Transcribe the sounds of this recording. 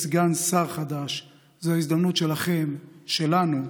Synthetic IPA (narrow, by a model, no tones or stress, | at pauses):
sɡansaʁχad̪aʃ | zoaizd̪amnut̪ʃe̞laχe̞mʃe̞lanu